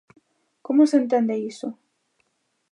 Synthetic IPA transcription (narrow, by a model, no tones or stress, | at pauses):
komosent̪̬end̪eiso